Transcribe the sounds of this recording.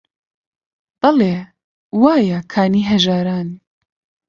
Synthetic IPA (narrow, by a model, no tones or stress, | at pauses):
b̥ɐleː | waːjɐkʰaːniːɦɐʒaːɾaːn